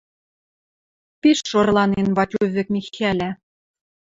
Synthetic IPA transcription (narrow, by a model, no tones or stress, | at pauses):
peʃːorlˠɑnenβɑtʲuvɘ̆kmixælʲæ̆